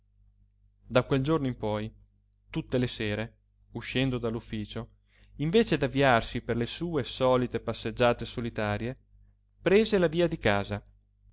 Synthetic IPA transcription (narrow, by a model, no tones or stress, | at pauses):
d̪akweld͡ʒornoimpɔj | t̪ut̪ːeleseːɾe | uʃːɛnd̪od̪alːufːiːt͡ʃo | iɱveːt͡ʃed̪avːiarsiperlesuːesɔːlit̪epasːed͡ʒːaːt̪esolit̪aːɾje | pɾeːzelaviːad̪ikaːza